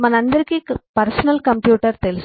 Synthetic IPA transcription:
mɐnɐnd̪ɐɾkːipɐɾsɐnɐlkɐmpjuːʈːɐɾt̪elɪs

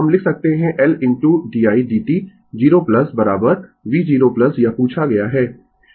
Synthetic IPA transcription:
ɦɐmlɪkʰsɐk̚t̪eɦɛ̃ʔɛlɪ̃nʈuːɖiːaːiɖiːʈi | d͡ʒiːɾoːplɐsbɐɾaːbəɾʋiːd͡ʒiːɾoplɐsjapuːt͡ʃʰaɡɐjaɦɛː

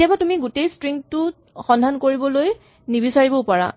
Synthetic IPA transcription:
ijabatumiɡutejstɹiŋtʊ | xɔndʱankoɹibɔloj | nibisaɹibɔpɔɹa̰

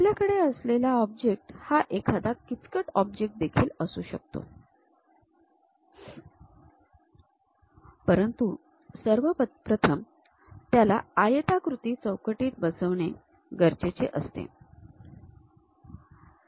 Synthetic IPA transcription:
pljakəɽeəslelaɔb̚d͡ʑek̚ʈhaʔekʰad̪akːit͡skəʈɔb̚d͡ʑek̚ʈ̚d̪ekʰiːləsuːɕə̰k̚t̪o̰ | pəɾənt̪u | səɾʋəpɾət̪ʰəm | t̪jala̰ajət̪akɾut̪iːt͡səwkəʈiːt̪̚bəsəʋɳe | ɡʱəɾt͡ɕet͡ɕḛʔəst̪ḛ

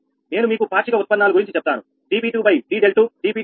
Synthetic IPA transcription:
ne̞ːnumiːkubʱaːʂikɐut̪̚pɐnːaːluɡuɾiɲt͡ʃit͡ʃɛp̚ːt̪aːnu | ɖiːbiːʈuːbɐjɖiːɖelʈuɖiːbiː

